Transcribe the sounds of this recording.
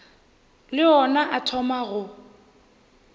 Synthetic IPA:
lɪɔnaʔatʰɔmaɣʊ

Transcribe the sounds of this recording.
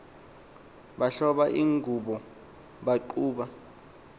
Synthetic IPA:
ɓaɬɔɓaʔiːŋɡʱuɓɔ | ɓaǃuːɓa

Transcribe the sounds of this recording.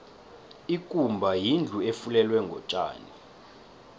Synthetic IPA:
ikʼumbʱajind͡ɮʱuefulɛlwɛŋɡʱɔ̰t͡ʃʼa̰ːni

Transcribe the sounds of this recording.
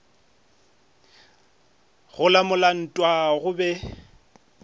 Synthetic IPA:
ɣʊlamʊlan̩tʼwaɣʊbɛ

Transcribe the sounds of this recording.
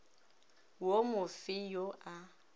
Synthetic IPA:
womʊfɪjoʔa

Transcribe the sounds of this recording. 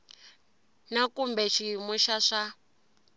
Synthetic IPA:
nakumbɛʃimuʃaʂa

